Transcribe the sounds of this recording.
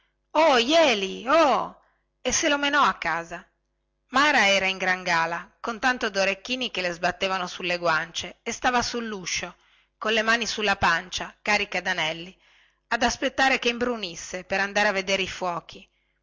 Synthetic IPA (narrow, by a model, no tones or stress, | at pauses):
ɔjɛːliɔ | esːelomenɔakːaːza | maːɾaɛːɾaiŋɡɾaŋɡaːlakont̪ant̪od̪oɾekːiːnikelezbat̪ːeːvanosulːeɡwant͡ʃeːst̪aːvasulːuʃo | konlemaːnisulːapant͡ʃakaːɾikad̪anɛlːi | ad̪aspet̪ːaːɾekeimbɾunisːepeɾand̪aːɾeavːed̪eːɾeifwɔːk̟ʰi